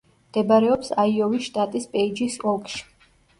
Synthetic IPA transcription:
md̪̥ɛbaɾɛɔpsaiɔvisʃt̪ʼat̪ʼispʼɛid͡ʒisɔlˠkʼʃi̥

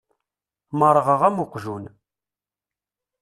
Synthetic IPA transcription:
məɾˤəʁəʁæmʊqʒun

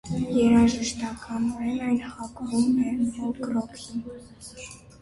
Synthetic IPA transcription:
jɛɾɑʒəʃt̪ɑkɑnɔɾɛnɑjnhɑkɾumɛlɡɾɔkʰin

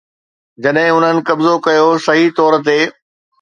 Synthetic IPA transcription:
d͡ʑɐɗɦɪ̃ʊn̤ənɪ̆kɐbzokɐjosɐɦit̪ɔːɾt̪eː

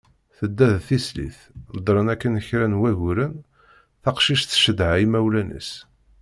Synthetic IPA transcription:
θəd̪ːæðθislḭθ | d̪ˤɾˤənækːənəçɾænwæʝʊɾən | θɑqʃiʃθʃəd̪ʕaimæwlænə̰s

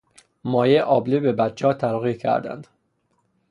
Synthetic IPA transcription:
mɒːjeʔɒːblibebæt̪t͡ʃʰɒːt̪ʰæɾɣiːcʰæ̰ɾd̪æ̰nd̪̥

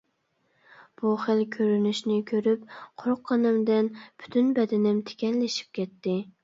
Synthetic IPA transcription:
b̥uχəlkʲʰøɾynyʃnɪkʲʰøɾyp̚qʰoɾqʰːɑnɨmd̪ɪnb̥ʰy̥t̪ʰynbɛd̪ɛnɪmt̪ʰe̥kʲɛnlɪʃi̥p̚kʲɛt̪ːɪ

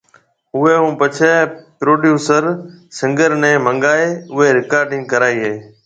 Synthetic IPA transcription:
ʊɦeːɦũːpət͡ʃʰepɾoːɖjuːsəɾsɪ̃ŋɡəɾnɛ̃ːmə̃ŋɡaːeːʊɦeːɾɪkaːɾɖɪ̃ŋɡ̚kəɾaːiːɦeː

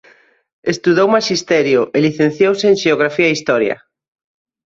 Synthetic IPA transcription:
est̪uðowmaʃist̪ɛɾjʊʔeliθen̟θjowseeŋʃeoɣɾafiɐist̪ɔɾjɐ̰

